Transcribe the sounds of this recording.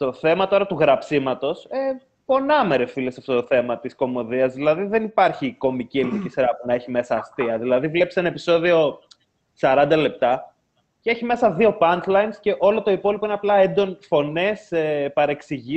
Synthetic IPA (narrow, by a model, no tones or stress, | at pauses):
t̪o̞θe̞mɐt̪o̞ɾɐt̪uɣɾɐpsimɐt̪o̞se | po̞nɐmeɾe̞filesɐft̪o̞t̪oθe̞mɐt̪isko̞mo̞ðiɐzðilɐðiðe̞nipɐɾçiko̞micie̞linicisɾɐpunɐe̞çime̞sɐːst̪iɐðilɐðivlepsenɐepiso̞ðio̞ | sɐɾɐnd̪ɐle̞p̚t̪ɐ | ceçime̞sɐðio̞pɐnt̪lɐjnsce̞ʔo̞lo̞t̪o̞ipo̞lipoineɐplɐe̞nd̪o̞nfo̞ne̞sepɐɾe̞ksiʝi